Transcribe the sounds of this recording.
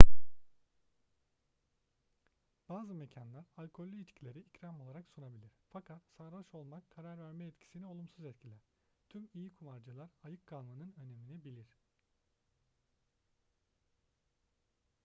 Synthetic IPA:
b̥aːzɯme̞cʰanlˠaɾalʲkʰolʲːyit͡ʃcʰilʲe̞ɾiicɾamo̞lˠaɾaksunabilʲiɾ̥fakʰat̪saɾvaʃo̞lˠmakʰːaɾaɾvæɾmɛɛt̪cʰi̥sinio̞lˠumsuzɛt̪cʰilʲæɾ̥ | t̪ʰymijikʰumaɾd͡ʒɯlˠaɾajɯk̚ɡalˠmanɯnø̞ne̞minɛbilʲiɾ̥

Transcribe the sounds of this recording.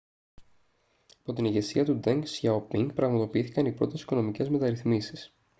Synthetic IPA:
ɐpo̞t̪iniʝe̞siɐt̪ud̪eŋksçaopiŋɡpɾɐɣmɐt̪o̞piiθikɐnipɾo̞t̪e̞si̥ko̞no̞mice̞zme̞t̪ɐɾiθmisi̥s

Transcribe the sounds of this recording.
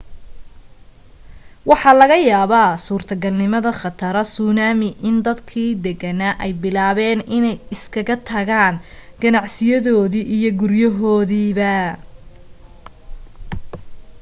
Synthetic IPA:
wɑħɑlɐɣɐjaːβaːsuːrt̪ʰɐɡɐlnɪmɐðɐχɑt̪ʰɐɾɐsuːnaːmɪʔɪnd̪ɐd̪kʰiːd̪ɛɣɐnɐʔɛjbɪlaːβɛːnʔɪnɛjɪskʰɐɣɐt̪ʰɐɣaːnɡ̥ɐnɑʕsɪjɐðɔːðiːʔijɔɡʊrjɐɦɔːðiːβɐ

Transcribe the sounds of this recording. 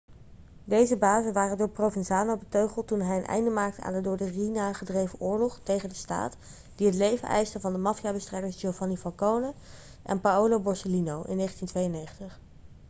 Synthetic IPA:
dejzəbaːzənʋaːrəndʊːɹprowvɛnzaːnobətøɥχəlˠtunɦɛjənʔɛ̰jndəmaːk̚təa̰ːndədʊɹdərinaχədrejvəʔʊːɹlɔχtejχəndəsta̰ːt | d̥iɦətlejvə̰nʔɛ̰jstəvɑndəmɑfijaːbəstrɛjdəɹsd͡ʒowvanifɑlˠkownə | ʔɛ̰npaowlowbɔɹsəlinowʔɪ̰nːejχəntintʋejənejχəntəχ

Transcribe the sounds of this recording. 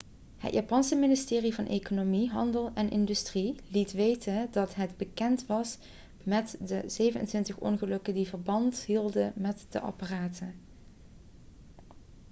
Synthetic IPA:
hə̰tja̰ːpɑnsəmɪnɪstɪːrivɑnʔḛjkonomiɦɑ̰ndəlˠɛnʔɪndystrilitʋejtəndɑtɦədbəkɛntʋɑs | mɛtdəz̥ejvənə̰ntʋɪntəχʔɔ̰nχəlɵkədivəɹbɑntɦilˠdənmɛtd̥əʔɑ̰paraːtʰən

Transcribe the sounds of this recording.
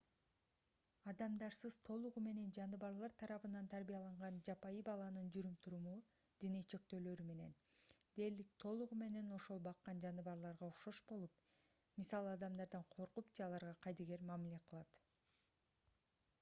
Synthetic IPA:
ɑd̪ɑmd̪ɑɾsɯz̥t̪ʰo̞lˠuʁume̞ne̞nd͡ʒɑnɯβɑɾlˠɑɾt̪ʰɑɾɑβɯnɑnt̪ʰæɾbijɑlˠɑɴʁɑnd͡ʒɑpɑjibɑlˠɑnɯnd͡ʒyɾymt̪ʰuɾumu | d̪̥inet͡ʃʰe̞k̚t̪ø̞ːlø̞ɾyme̞ne̞̰n | d̪̥e̞ɾlik̚t̪ʰo̞lˠuʁume̞ne̞no̞ʃo̞lˠbɑqːɑnd͡ʒɑnɯβɑɾlˠɑɾʁɑuʃo̞ʃbo̞lˠup | misɑlˠɯɑd̪ɑmd̪ɑɾd̪ɑɴqʰo̞ɾqupd͡ʒeɑlˠɑɾʁɑqʰɑjd̪ɑɡe̞ɾmɑmile̞qʰɯlˠɑt̪

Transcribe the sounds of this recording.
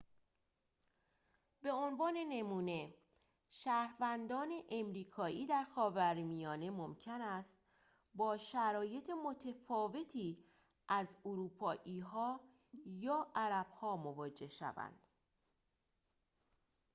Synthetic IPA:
be̞onvɒːne̞ne̞muːne̞ | ʃæːɾvænd̪ɒːne̞ʔemɾiːkʰɒːʔiːd̪æɾxɒːvæɾmijɒːne̞momcʰenæst̪ | bɒːʃæɾɒːje̞t̪ʰemo̞t̪ʰefɒːve̞t̪ʰiː | ʔæzoɾuːpʰɒːʔiːɦɒː | jɒːʔæɾæb̥hɒːmo̞vɒːd͡ʒe̞hʃæ̰væ̰nd̪̥

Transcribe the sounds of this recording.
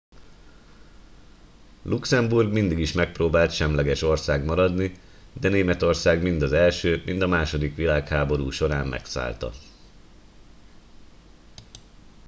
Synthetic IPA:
lʔuksɛmburɡmind̪iɡiʃmɛk̚proːbaːlt̪ʃɛmlɛɡɛʃo̞rsaːɡmɒɾɒd̪ni | d̪ɛneːmɛt̪o̞rsaːɡmind̪ɒzɛlʃøːmind̪ɒmaːʃo̞d̪ikʋilaːkhaːbo̞ɾuːʃo̞ɾaːmmɛ̰ksa̰ːlt̪ɒ̰

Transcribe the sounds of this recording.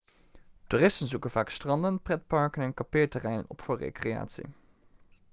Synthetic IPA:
tuːrɪstənzukənvaːkstrɑndənprɛt̚pɑɹkənɛnkapɪːɹtərɛjnə̰nɔ̰pfʊːɹrḛjkreja̰ːtsḭ

